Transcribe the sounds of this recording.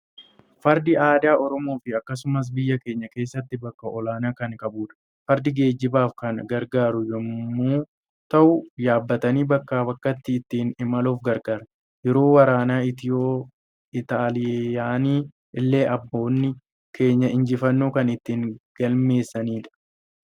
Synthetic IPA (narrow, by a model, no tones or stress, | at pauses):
fɐɾd̪ɪaːd̪aːʔɔɾɔmo̞ːfɪɐkːɐsʊmɐs̬bɪjːɐke̞ːɲːɐke̞ːsːɐt̪ːɪbɐkːɐʔɔlaːnaːkɐŋkɐbuːᶑɐ̥ | fɐɾd̪ɪɡe̞ːd͡ʒːɪbaːfkɐnɡɐɾɡaːɾʊjɛuː | t̪ɐʔʊjaːbːɐt̪ɐniːbɐkːaːbɐkːɐt̪ːɪːt̪ːiːnɪmɐloːfɡɐɾɡaːɾɐ | jɛɾo̞ːwɐɾaːnaːɪt̪ɪo | ɪt̪aːlɪjaːniː | ʔɪlːe̞ːʔɐbːo̞ːnːɪ | kʰe̞ːɲːɐɪɲd͡ʒɪfɐnːoːkɐnɪt̪ːiːŋɡ̥ɐlme̞ːsːɐniːᶑɐ̥